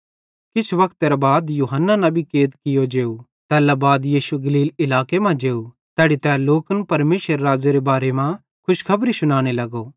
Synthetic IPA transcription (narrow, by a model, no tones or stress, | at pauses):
kɪt͡ʃʰʋɐkt̪eɾɐbaːd̪juːɦənːanɐ̃bʱikeːt̪kɪjod͡ʒeːu | t̪ɛːlabaːd̪jiːʃuɡɐliːlɪlaːkemãd͡ʒeːu | t̪ɛːɽit̪ɛːloːkənpɐɾmeːsəɾːaːd͡ʒeɾebaːɾemã | kʰʊʃkʰɐbɾisʊɽ̃aːɽ̃elɐɡoː